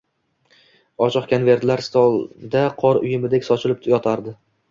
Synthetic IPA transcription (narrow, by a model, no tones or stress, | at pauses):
ɒt͡ʃʰɒqkʲʰonve̞ɾt̪laɾst̪ɒlˠd̪aqʰɒɾʊjɪmɪd̪ekʲsɒt͡ʃʰɪlˠɪp̪ʰjɒt̪ʰaɾd̪ɪ